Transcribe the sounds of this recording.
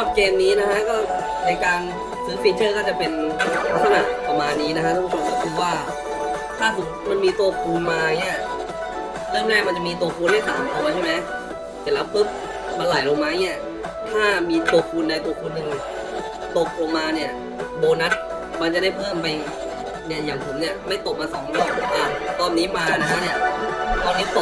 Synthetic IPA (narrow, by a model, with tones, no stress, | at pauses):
ɔː˥˩p̚keː˧mniː˦˥na˦˥kʰa˦˥kɔː˥˩ | na˧jkaː˧n | sʰɯː˨˦pi˧n̚t͡ɕʰɤː˥˩kɔː˥˩t͡ɕa˨˩pe˧n˦˥t̪ʰa˧na̰˨˩ʔpa˧maː˧nːiː˦˥na˦˥kʰa˥sa˧u˧˥˩kʰoː˧mkɔ˥˩kʰɯː˧waː˥˩ | t̪ʰaː˥˩t̪ʰu˨˧˩k̚ma˧nmiː˧t̪u˧˩kʰuː˧nmaː˧a˧˩ŋːi˦˥ɐ | lɤ˥˩mnaː˥˩ma˧nt͡ɕa˨miː˧t̪u˨˧kʰuː˧nha˥˩sa̰ː˩˦mp̪ʰɔː˧ŋaː˧t͡ɕʰa˥˩˨ma˦˥j | si˨˩˦lɛː˦˥wpʰɤ˦˥˩p̚ | maː˧la˨˩˦jlo˧ŋmaː˦˥ʔi˦˥˩ɐ | t̪ʰaː˥˩miː˧t̪u˧əkʰuː˧nda˧jt̪u˧əkʰuː˧nːɯ˧ŋ˩ | t̪o˨˩p̚lo˧ŋmaː˧ni˥˩ɐ | boː˧na˦˥t̪̚ | ma˧nt͡ɕa˨˩da˥˩jpʰɤː˥˩mpa˧j | ja˨˩jaː˨˩ŋt̪ʰu˩˦mni˥˩ɐma˥˩jt̪o˨˩p̚maː˧sɔː˩˦ŋlɔː˥˩k̚lo˧˩˦ka˧nt̪ɔː˧nːiː˦˥maː˧na˦˥kʰa˦˥ni˥˩ɐt̪ɔː˧nːiː˦˥t̪o˨˩